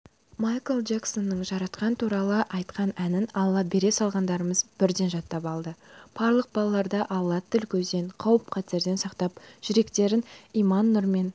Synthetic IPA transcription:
majkəlˠd͡ʒakso̞nːəɴʒɑɾɑt̪qɑnət̪ʰuɾɑlˠəʔɑjt̪qɑnænɪnɑlˠːɑbe̞ɾe̞sɑlˠʁɑnd̪ɑɾəməzb̥ɪɾd̪e̞nʒɑt̪ːɑpɑlˠd̪əb̥ɑɾlˠəq̚bɑlˠɑlˠɑɾd̪ɑʔɑlˠːɑt̪ʰːɪlkʲʰɵzd̪e̞ɴqʰɑwəp̚qʰɑt̪e̞ɾd̪e̞nsɑqt̪ɑpʒ̥ʏɾe̞kt̪e̞ɾɪnijmɑnːʊɾme̞n

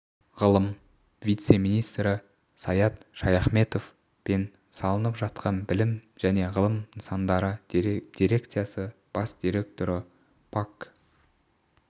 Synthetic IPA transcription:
ʁəlˠəm | vijt̪se̞mijnijst̪ɾɪ | sɑjɑt̪ʃɑjɑχme̞t̪o̞f | be̞n | sɑlˠənəpʒɑt̪̚qʰɑnbɪlɪmʒ̥æne̞ʁəlˠəmənsɑnd̪ɑɾəd̪̥ijɾe̞kt̪sijɑsə | b̥ɑsd̪̥ijɾe̞k̚t̪o̞ɾə | pʰak

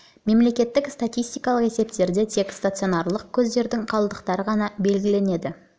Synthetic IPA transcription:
me̞mle̞kʲe̞t̪ːɪkst̪at̪ʲijst̪ijkɑlˠəqe̞se̞pt̪e̞ɾd̪e̞t̪ʰe̞kst̪at̪sɨo̞nɑɾlˠəq̚kʲʰɵzd̪e̞ɾd̪ɪŋqʰɑlˠəd̪əqt̪ɑɾəʁɑnɑbe̞lɡʲɪle̞ne̞d̪ɪ

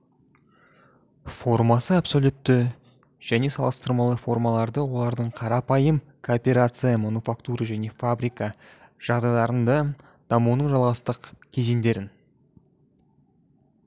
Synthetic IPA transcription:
fo̞rmɑsəapso̞lʲut̪ːɪ | ʒ̥æne̞sɑlˠəst̪əɾmɑlˠəfo̞rmɑlˠɑɾd̪əwo̞lˠɑɾd̪əɴqʰɑɾɑpɑjəm | kʰoːpʲe̞ɾat̪sɨjamonufakt̪uɾaʒæne̞fabɾijka | ʒ̥ɑʁd̪ɑjlˠɑɾənd̪ɑ | d̪̥ɑmunəɴʒɑlˠʁɑst̪əqkʲʰe̞ze̞nd̪e̞ɾɪn

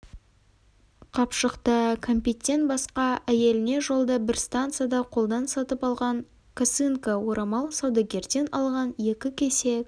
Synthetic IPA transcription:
qʰɑpʃəqt̪əkʰomʲpʲet̪ʲːe̞nt̪̚bɑsqɑæje̞lɪne̞ʒo̞lˠd̪əbɪɾst̪ant̪sɨjad̪ɑqʰo̞lˠd̪ɑnsɑt̪əpɑlˠʁɑŋ | kʰasɨŋkawo̞ɾɑmɑlˠsɑwd̪ɑɡʲe̞ɾd̪e̞nɑlˠʁɑnje̞kʲɪkʲʰe̞se̞k

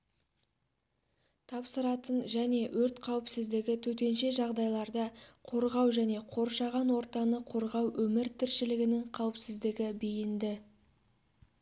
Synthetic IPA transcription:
t̪ʰɑpsəɾɑt̪ənʒæne̞wɵɾt̪qʰɑwəpsɪzd̪ɪɡʲɪt̪ʰɵt̪e̞nʃe̞ʒɑʁd̪ɑjlˠɑɾd̪əqʰo̞ɾʁɑwʒæne̞qʰo̞ɾʃɑʁɑnwo̞ɾt̪ɑnəqʰo̞ɾʁɑwʔɵmɪɾt̪ʰɪɾʃɪlɪɡʲɪnɪŋqʰɑwəpsɪzd̪ɪɡʲɪbejɪnd̪ɪ

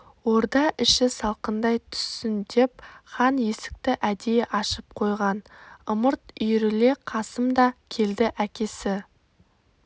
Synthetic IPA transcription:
wo̞ɾd̪ɑʔɪʃɪsɑlˠqənd̪ɑjt̪ʰʏ̥sːɪnd̪e̞p̚χɑnje̞sɪ̥k̚t̪ɪʔæd̪ejeʔɑʃəp̚qʰo̞jʁɑnʊməɾt̪ʏjɾɪle̞qʰɑsəmd̪ɑkʲʰe̞ld̪ɪʔækʲe̞sɪ

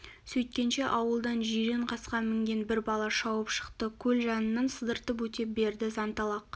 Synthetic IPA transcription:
sɵjt̪̚kʲe̞nʃe̞ʔɑwəlˠd̪ɑnʒijɾeɴqʰɑsqɑmɪŋɡʲe̞nbɪɾbɑlˠɑʃɑwəpʃə̥qt̪əkʲʰɵlʒɑnənːɑnsəzd̪əɾt̪əp̬wɵt̪e̞p̚be̞ɾd̪ɪzɑnt̪ɑlˠɑq

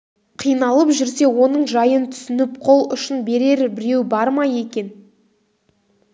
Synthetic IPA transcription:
qʰijnɑlˠəpʒʏɾse̞wo̞nəɴʒɑjənt̪ʰʏ̥sɪnɪp̚qʰo̞lˠʊʃɪnbe̞ɾe̞ɾbɪɾe̞wbɑɾmɑje̞kʲe̞n

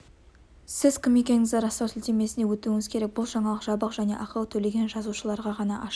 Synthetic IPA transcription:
sɪzkʰomikʲe̞ŋɪzeɾɑsɑwt̪ʰɪlt̪e̞me̞sɪnewɵt̪uɪŋɪzkʲʰe̞ɾek̚bʊlˠʒɑɴɑlˠəqʒɑbəqʒæne̞̰ʔɑqɑwt̪ʰɵle̞ɡʲe̞nʒɑzuʃəlˠɑɾʁɑʁɑnɑʔɑʃ

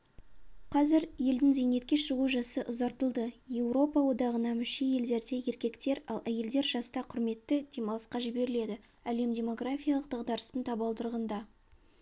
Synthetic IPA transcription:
qʰɑzɪɾje̞ld̪ɪŋze̞jne̞t̪̚kʲe̞ʃəʁuʒɑsəʔʊzɑɾt̪əlˠd̪əje̞wɾo̞pɑwo̞d̪ɑʁənɑmʏʃeje̞ld̪e̞ɾd̪e̞je̞ɾkʲe̞kt̪e̞ɾɑlˠʔæje̞ld̪e̞ɾʒɑst̪ɑqʰʊɾme̞t̪ːɪd̪̥ʲe̞mɑlˠəsqɑʒɪbe̞ɾɪle̞d̪ɪ | æle̞md̪ʲe̞mo̞ɡrafʲijɑlˠəq̚d̪ɑqd̪ɑɾəst̪əɴt̪ʰɑbɑlˠd̪əɾʁənd̪ɑ

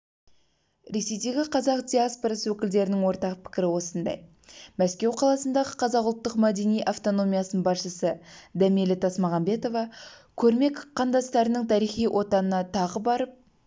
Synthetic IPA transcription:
ɾe̞se̞jd̪e̞ɡʲɪqʰɑzɑqd̪ʲiaspoɾɑsəwɵkʲɪld̪e̞ɾɪnɪŋwo̞ɾt̪ɑqpʰɪ̥kʲɪɾɪwo̞sənd̪ɑ̰j | mæskʲe̞wqʰɑlˠɑsənd̪ɑʁəqʰɑzɑqʊlˠt̪ːəqmæd̪e̞nijʔɑft̪o̞no̞mijɑsənənbɑsʃəsəd̪æmilɪt̪ʰɑsmɑʁɑmbe̞t̪o̞vɑkʲʰɵɾme̞kqʰːɑnd̪ɑst̪ɑɾənɪŋt̪ʰɑɾijχijwʔo̞t̪ɑnənɑt̪ʰɑʁəbɑɾəp̚

